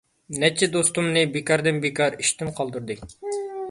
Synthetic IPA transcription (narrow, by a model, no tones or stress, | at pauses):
nɛt͡ʃʰːɛd̪ost̪umnɨbekɑɾd̪ɨnbekʰɑɾiʃt̪ɪnqʰɑlˠd̪uɾd̪ɨ